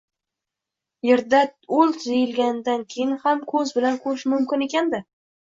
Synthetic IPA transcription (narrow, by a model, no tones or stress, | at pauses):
jeɾd̪aɵlˠt̪ʰzejɪlɡʲand̪ankʲʰejɪnhamkʰɵzbɪlankʰɵɾɪʃmʊmkʲɪne̞kʲand̪ɪ